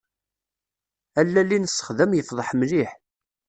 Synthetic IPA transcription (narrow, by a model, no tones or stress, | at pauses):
ælːælːinəsːə̥χðæmjəfðˤəħmliħ